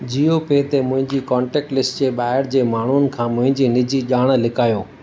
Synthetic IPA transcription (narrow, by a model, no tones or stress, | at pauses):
d͡ʑiːjopeːt̪emʊ̃ɦɪ̃ɲd͡ʑiːkɔ̃ːɳʈeːk̚ʈlɪsʈd͡ʑeɓaːɦɪɽd͡ʑeːmaːɳ̤un̆kʰãːmʊ̃ɦɪ̃ɲd͡ʑiːnɪd͡ʑiʄaːɽ̃̆lɪkaːjoː